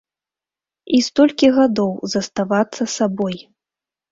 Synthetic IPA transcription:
ist̪ɔlʲkʲiɣad̪ɔwzɐst̪avat̪sːɐsabɔj

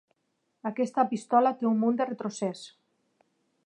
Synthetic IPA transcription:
akɛst̪apist̪ɔlat̪eumːund̪eret̪ɾosɛs

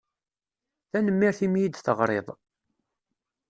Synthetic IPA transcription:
θænəmːiɾθimjid̪θəʁɾˤḛðˤ

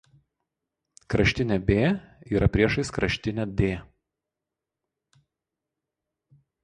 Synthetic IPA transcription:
kɾɐʃʲt̪ʲɪnʲɛbʲeːiːɾɐpʲɾʲiɛʃɐɪskɾɐʃʲt̪ʲɪnʲɛd̪ʲeː

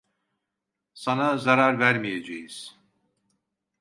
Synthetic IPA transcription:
sanazaɾaɾvæɾmijed͡ʒejiz̥

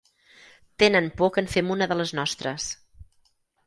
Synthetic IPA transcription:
t̪enənpɔkənfemunəðələznɔst̪ɾəs

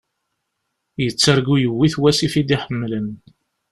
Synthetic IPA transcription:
jət͡sːəɾɡujəwːiθwæsifid̪iħəmːlən

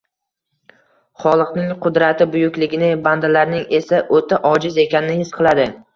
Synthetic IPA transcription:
χɒlˠɨqnɪŋqʰʊd̪ɾat̪ʰɪbʊjʊkʲlɪɡʲɪnɪband̪alaɾnɪŋe̞saʔot̪ʰaʔɒd͡ʒɪze̞kʲanɪnɪhɪsqʰɨlˠad̪ɪ

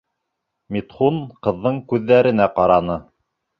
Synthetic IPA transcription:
mit̪χunqɤ̆ðːɤɴkʉðːæɾɘ̆næqɑɾɑnɤ

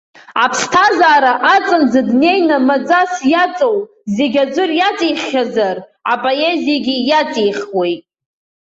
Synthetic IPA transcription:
apʰstʰazaːɾaʔat͡sʼɨnzɨdne̞jnamad͡zasjat͡sʼo̞w | ze̞ɡʲad͡ʒʷʊrjat͡sʼijχʲazarapʼoe̞zijaɡʲijat͡sʼijχʲwejtʼ

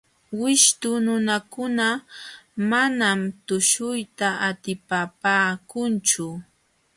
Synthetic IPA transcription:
wɪʃt̪ʊnʊnakʊna | manamt̪ʊʃʊjt̪aat̪ɪpapaːkʊnt͡ʃʊ

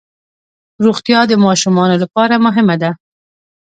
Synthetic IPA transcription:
ɾuɣt̪ijɑd̪əmɑʃumɑnolapɑɾamʊɦɪmad̪a

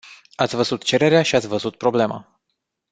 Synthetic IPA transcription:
at̪sʲvəzut̪t͡ʃe̞ɾe̞ɾeaʃiat̪sʲvəzut̪̚pɾo̞ble̞ma̰

